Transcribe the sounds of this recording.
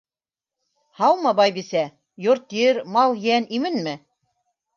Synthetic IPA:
hɑwmɤbɑjbisæ | joɾt̪iɘɾmɑlˠjænimɘnmɘ

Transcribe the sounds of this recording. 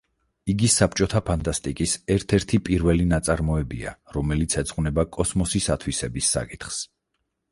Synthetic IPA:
iɡisapʰt͡ʃʼɔt̪ʰapʰant̪ʼast̪ʼikʼisɛɾt̪ʰɛɾt̪ʰipʼiɾvɛlinat̪sʼaɾmɔɛbia̰ɾɔmɛlit̪sʰɛz̥ʼʁʼwnɛbakʼɔsmɔsisat̪ʰwisɛbisːa̰kʼit̪ʰχs

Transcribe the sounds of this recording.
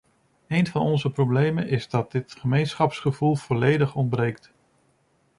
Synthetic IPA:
ejnvɑnɔnzəprowblejmənʔɪzdɑt̚dɪtχəmejnsχɑpsχəvulˠv̥ɔlejdəχɔnd̚brejk̚t

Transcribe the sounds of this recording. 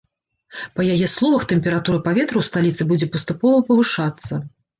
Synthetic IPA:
pɐjajɛslˠɔvɐxt̪ɛmʲpʲɛɾat̪uɾɐpavʲɛt̪ɾɨwst̪alʲit̪sɨbud͡zʲɛpɐst̪upɔvɐpɐvɨʂat̪sːɐ

